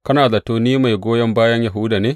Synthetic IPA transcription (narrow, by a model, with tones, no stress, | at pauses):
kɐ˦naː˨za˨toː˦niː˦ma˨jɡʷoː˦jɐ˦mbaː˦jɐ˦ɲja˨ɦʊ˦daː˨neː˦